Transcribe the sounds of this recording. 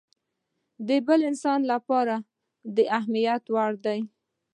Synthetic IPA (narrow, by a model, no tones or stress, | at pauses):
d̪əbəlɪnsɑnlapɑɾa | d̪əʔaɦmijat̪waɽd̪aj